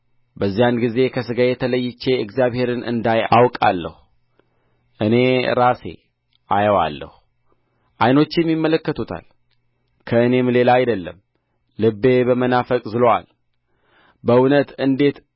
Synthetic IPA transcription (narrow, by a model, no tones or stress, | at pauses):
bəzːijanɡize̞kʰəsɨɡajɛt̪ʰələjːɪt͡ʃːe̞ɨɡzijaβhe̞ɾɨnɨ̰nd̪aja̰wkʼa̰lːə̰h | ʔɨne̞ɾase̞̰ | ʔajəwa̰lːə̰hu | ʔajno̞t͡ʃːɪmjɪmːələkːət̪ʰut̪ʰa̰l | kʰəɨne̞mle̞laːjd̪əlːəmː | ɨbːe̞bəmənafəkʼzɨloa̰l | bəunət̪ɨnd̪e̞t̪